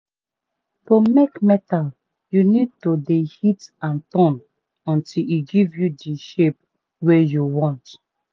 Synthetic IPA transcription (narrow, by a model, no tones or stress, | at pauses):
tomekmɛtal | junid̚todehitãntɔ̃n | ɔ̃ntʰiliɡivjudiʃep̚ | wejuwɔ̃nt